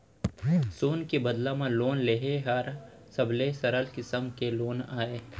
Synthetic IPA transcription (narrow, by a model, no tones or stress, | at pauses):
suːnkebɐd̪lãmãloːnleɦeɦaɾ | sɐblesɐɾəlkɪsəmkeloːnaːeː